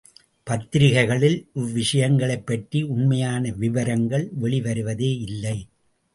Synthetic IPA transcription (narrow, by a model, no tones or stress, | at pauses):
pɐt̪ːɪɾɪɣɐɪɣɐɭɪlʔʊʋːɪʂɐjɐŋɡɐɭɐɪpːɐʈriʊnmɐjaːnɐʋɪʋɐɾɐŋɡɐɭʋɛɭɪʋɐɾɯʋɐðeːɪlːɐɪ